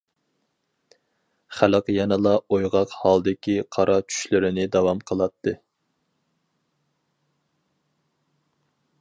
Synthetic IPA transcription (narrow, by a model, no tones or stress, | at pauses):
χæləqjɛnɨlˠɑojʁɑqhɑlˠd̪ɪkʲiqʰɑɾʔɑt͡ʃʰy̥ʃlɪɾɪnɪd̪ɑwɑmqʰəlˠɑt̪ʰːɨ